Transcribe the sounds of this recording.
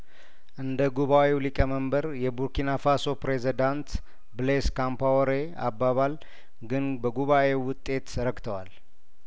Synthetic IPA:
ʔɨnd̪əɡuβawewlikʼəməmbəɾjɛbuɾkinafaso̞pɾezid̪ant̪ | bleskampawɾe | abːaβal | ɡɨnbəɡuβaʔe̞wʊt̪ʼːe̞t̪ɾəɡt̪ʰəwal

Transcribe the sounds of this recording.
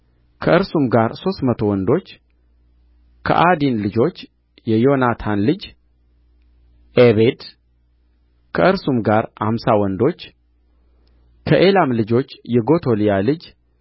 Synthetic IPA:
kʰəʔɨɾsumɡaɾso̞st̪mət̪ʰo̞wɔnd̪o̞t͡ʃː | kʰə̰ʔad̪inlɨd͡ʒo̞t͡ʃː | jɛjo̞nat̪ʰanlɨd͡ʒ | ʔeβed̪ | kʰəʔɨɾsumɡaɾha̰msawɔnd̪o̞t͡ʃː | kʰəʔe̞lamlɨd͡ʒo̞t͡ʃːjɛɡo̞t̪ʰo̞lijalɨd͡ʒ

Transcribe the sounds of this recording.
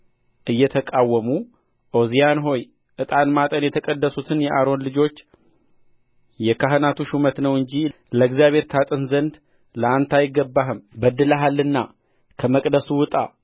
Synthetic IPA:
ʔɨjːɛt̪ʰəkʼawːəmu | ʔo̞zijanɦo̞j | ʔɨt̪ʼanmat̪ʼənjɛt̪ʰəkʼəd̪ːəsut̪ʰɨnjɛʔaɾo̞nlɨd͡ʒo̞t͡ʃː | jɛkʰaɦɨnat̪ʰuʃumət̪nəwɨɲd͡ʒi | ləɨɡzijaβe̞ɾt̪ʰat̪ʼɨnzənd̪ | ləant̪ʰajɪɡːəbːaɦɨmbəd̪ːɨləɦalːɨnːa | kʰəməkʼd̪əsuwɨt̪ʼa

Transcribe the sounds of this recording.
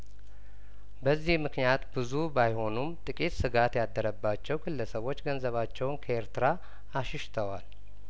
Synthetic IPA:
bəzːihmɨknijat̪bɨzubajho̞numt̪ʼɨkʼit̪sɨɡat̪jad̪ːəɾəbːat͡ʃːɛwɡʰɨlːəsəβo̞t͡ʃːɡənzəβat͡ʃːɛwnkʰəeɾt̪ʰɨɾaː | ʃɪʃt̪ʰəwa̰l

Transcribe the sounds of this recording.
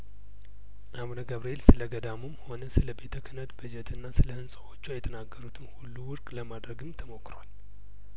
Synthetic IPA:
ʔaβnəɡaβɾielsɨləɡəd̪amɨmho̞nəsɨləbe̞t̪ʰəkʰɨnət̪bɨd͡ʒɛt̪ʰɨnːasɨləhɨnsʼəwo̞t͡ʃːuajɛt̪ʰənaɡːəɾut̪ʰɨnhulːuwʊɾkʼləmad̪ɾəɡɨmt̪ʰəmo̞kːɾoal

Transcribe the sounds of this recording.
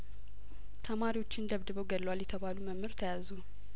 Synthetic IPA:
t̪ʰəmaɾiwo̞t͡ʃːɪnd̪əβd̪ɨβəwɡəllːəwaljɛt̪ʰəβaluməmːɨɾt̪ʰəjazu

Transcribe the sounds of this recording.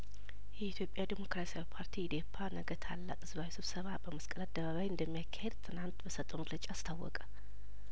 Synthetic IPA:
jɛit̪ʰjo̞pʼjad̪imo̞kɾasiawipʰaɾt̪ʰiːd̪e̞pʰːanəɡət̪ʰalːa̰kʼɨzβawisɨβsəβabəməskʼəlad̪ːəβaβajɨnd̪əmːijakʰːahed̪t̪ʰɨnant̪bəsət̪ʼoməɡlət͡ʃʼaːst̪ʰawːɔ̰kʼə̥

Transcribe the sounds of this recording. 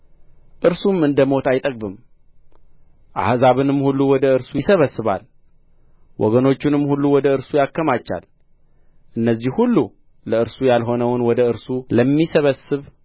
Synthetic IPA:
ʔɨɾsumɨnd̪əmo̞t̪ajt̪ʼək̚bɨm | ʔa̰hzaβɨnɨmhulːuwɔd̪əɨɾsujɪsəβəsːɨβa̰l | wʔɔ̰ɡəno̞t͡ʃːɪnɨmːhulːuwɔd̪əɨɾsujakːəmat͡ʃːa̰l | ʔɨnːəzːihhulːu | ləɨɾsujalɦo̞nəwnwɔd̪əɨɾsuləmːisəβəsɨβ

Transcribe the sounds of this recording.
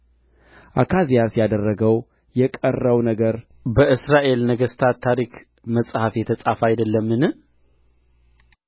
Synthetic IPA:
ʔakʰazijasjad̪ərːəɡəw | jɛkʼərːəwnəɡəɾ | bəʔɨsɾaʔe̞lnəɡəst̪ʰat̪ʰːaɾik | məsʼhafjɛt̪ʰəsʼafajd̪əlːəmːɨnɨ

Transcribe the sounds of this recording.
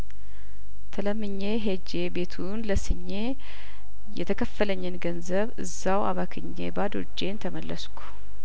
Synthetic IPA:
t̪ʰələmːɨɲːeɦed͡ʒe̞be̞t̪ʰunləsɨɲːe̞ | jɛt̪ʰəkʰəfːələɲːɨnɡənzəβɨzːawa̰βakʰɨɲːḛbad̪o̰d͡ʒːe̞nt̪ʰəməlːəskʰu̥

